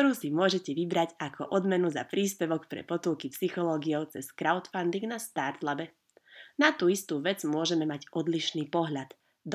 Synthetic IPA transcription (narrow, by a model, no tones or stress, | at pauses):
ɔɾuːsimʊɔʒɛcɛʋibɾaɟakʰɔ̰ʔɔd̪mɛnuzapɾiːspɛʋɔkpɾɛ̰pɔt̪ulkipsixɔlɔːɡiɔʊt͡sɛskɾaʊt̪fand̪iŋɡnast̪aːɾt̪labɛ | nat̪uːist̪uːʋɛd͡zmʊɔʒɛmɛmaɟɔd̪liʃniːpɔɦʎad̪̥ | d̪